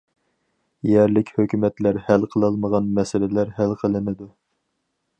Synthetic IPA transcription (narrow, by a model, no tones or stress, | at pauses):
jɛɾlɪkʲhøkʲymɛt̪læɾhælqʰəlˠəlˠməʁɑnmɛsɪlɪlæɾɦælqʰəlˠɨnɨd̪u